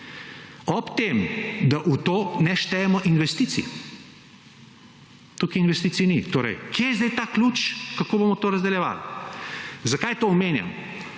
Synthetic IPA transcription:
ɔpt̪emd̪aʔut̪oːnɛʃt̪ɛjɛmɔʔinʋɛst̪iːt̪sḭ | t̪ukiinʋɛst̪it̪siinit̪oːɾɛ̰jkʰjejɛzd̪ɛjt̪aːklut͡ʃkakoːbomɔt̪oːɾɐzd̪ɛljɛʋa̰l | zɐkajt̪oɔmeːnja̰m

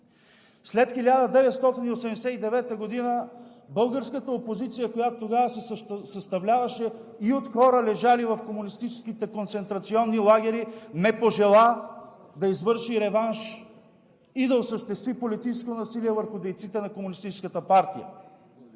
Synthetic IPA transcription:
slɛt̪xilʲad̪əd̪ɛvɛt̪st̪ɔt̪iniosɛmd̪ɛsɛt̪id̪ɛvɛt̪əɡod̪inə | bɤlˠɡəɾskət̪əopozit̪sijəkojat̪ot̪ːoɡavəsɛsɐst̪ɐvlʲavɐʃɛ | iot̪xɔɾəlɛʒalivɐfkomunist̪it͡ʃɛ̥skit̪ɛkont̪sɛnt̪ɾɐt̪siɔnːilˠaɡ̟ʲɛɾinɛpoʒɛlˠa | d̪ɐizvɤɾʃiɾɛvanʃ | id̪ɐosəʃt̪ɛst̪vipolit̪it͡ʃɛskot̪onɐsiliɛvəɾxʊd̪ɛjt̪sit̪ɛnɐkomunist̪it͡ʃɛ̥skət̪əpaɾt̪ijə̰

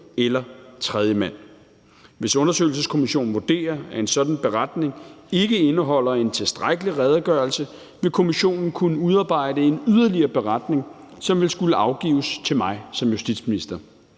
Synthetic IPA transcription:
elɐt͡sʰʁɛð̞ˠjəmæn̰ | ʋe̝sɔ̽nɐsø̰ɪl̩səskʰo̝miɕo̝̰ːn̩ʋod̥e̝̰ːɐæe̝nsɒ̽d̥n̩b̥e̝ʁad̥ne̝ŋe̝ɡ̥əe̝nəɦɒ̽l̰ɐe̝nt͡sʰe̝sd̥ʁaɡ̥əliʁɛð̞ˠɡ̥ɶɐlsə | ʋe̝lkʰo̝miɕo̝̰ːnn̩kʰunəuð̞ˠɑ̈ːb̥ɑ̈ɪ̰dəe̝nyðˠɐliɐːb̥e̝ʁad̥ne̝ŋ | sɒ̽mʋe̝lsɡ̥uləʔɑ̈ʊɡ̥ḭːʊst͡sʰe̝lmɑ̈ɪsɒ̽mjusd̥id̥sminisd̥ɐ

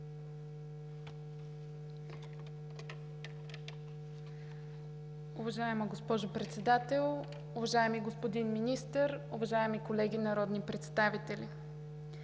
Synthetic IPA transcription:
ʊvɐʒaɛməɡospɔʒopɾɛt̪sɛd̪at̪ɛlˠ | ʊvɐʒaɛmiɡospod̪inminist̪əɾʊvɐʒaɛmikolɛɡʲinɐɾɔd̪nipɾɛt̪st̪avit̪ɛlʲi

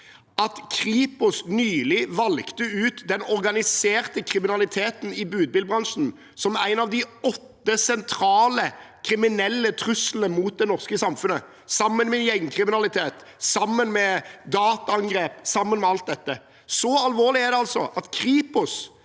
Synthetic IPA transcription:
ʔɑt̪kʰʁiːpʊsnyːlɪʋɑlkt̪əʉːt̪d̪ɛnɔʁɡɑnɪseːʁt̪əkʰʁɪmɪnɑlɪt̪ʰeːt̪n̩ɪbʉːd̪̚bɪlbʁɑnʂn̩ | sɔmæ̰ɪnɑʋd̪ɪɔt̪ːəsɛnt̪ʰɾɑːləkʰʁɪmɪnɛlːət̪ʰʁʉsl̩əmuːt̪̚d̪ɛnɔʁskəsɑmfʉnə | sɑmːənmɛjɛŋːkʰʁɪmɪnɑlɪt̪ʰeːt̪ | sɑmːənmɛd̪ɑːt̪ɑɑŋɡʁeːpsɑmːənmɛɑlt̪̚d̪ɛt̪ːə | sɔɑlʋoːʁlɪæʁd̪ɛɑlsɔ̰ʔɑt̪kʰʁiːpʊs

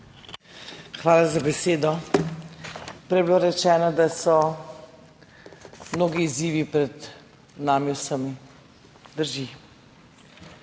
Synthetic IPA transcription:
xʋaːlazabɛseːd̪ɔ | pɾɛjɛbilaɾɛt͡ʃɛːnad̪asɔ | mnoːɡiːziːʋipɾɛd̪ | naːmiwsəmi | d̪əɾʒi

